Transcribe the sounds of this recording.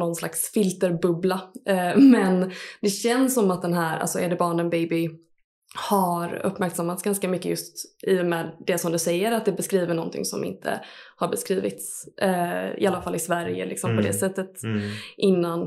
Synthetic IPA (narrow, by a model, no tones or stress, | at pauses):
nɔnslaksfɪlt̪əɾbɵblamɛnd̪ɛɕɛnsːɔmat̪̚d̪ɛnɦæːɾʔa̰lsɔʔɛɖɛbɑːɳənbɛjbɪ | haɾɵ̰pːmæɾksamːat̪sɡanskamʏkːəjɵst̪ʔɪjɔmɛd̪ɛsɔmd̪ɵsɛjːəɾat̪̚d̪ɛbɛskɾiːvəɳɔnt̪ʰɪ̰ŋsɔ̰mɪ̰nt̪ʰə̰haɾbɛskɾiːvɪ̰t̪s | ɪ̰alːafalːɪsvæɾjə̰lɪksɔmpʰɔd̪ɛsɛt̪ːət̪ʔɪnːan